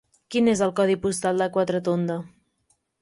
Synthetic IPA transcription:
kinezəlˠkɔð̞ipust̪alˠd̪əkwat̪ɾət̪ond̪ə

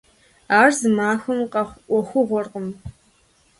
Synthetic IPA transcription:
aːrzɨmaːxɨmqɐχʷʔʷɔxʷʊʁʷɔrqəm

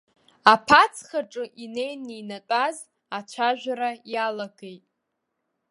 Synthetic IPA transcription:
apʰat͡sʰχaʈ͡ʂʼɨʔine̞jninatʷʼaz | at͡ʃʷʰaʒᶣʷaɾajalaɡe̞jtʼ

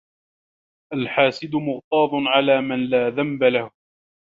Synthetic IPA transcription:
ʔalħaːsɪd̪ʊmʊɣt̪ˤɑːðˤʊnʕalaːmɪnlaːðambalahʊ

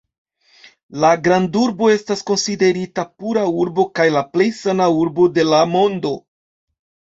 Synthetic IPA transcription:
laɡɾanduɾbo̞e̞stasko̞nside̞ɾitapuɾauɾbo̞kajlaple̞jsanauɾbo̞de̞lamo̞ndo̞

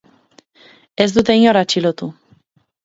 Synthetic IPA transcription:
ɛzd̪ut̪eɲoɾat͡ʃilot̪u

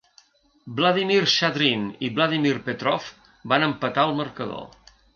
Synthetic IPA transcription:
blaðimiɾʃaðɾiniβlaðimiɾpet̪ɾɔf | banəmpət̪aəlˠmərkəðo̰

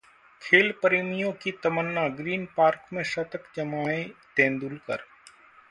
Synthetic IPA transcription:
kʰeːlpəɾeːmijõkit̪ɐmənːaɡɾiːnpaːɾkmẽʃɐt̪əkd͡ʒɐmaːẽt̪ẽːnd̪ulkə̰ɾ

